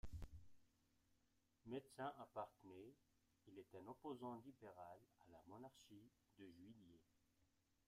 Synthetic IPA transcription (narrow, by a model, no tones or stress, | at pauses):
med̪sɛ̃ʔapaʁt̪əne | ilɛt̪ɛ̃nɔpozɑ̃libeʁalalamɔnaʁʃi | d̪əʒɥilje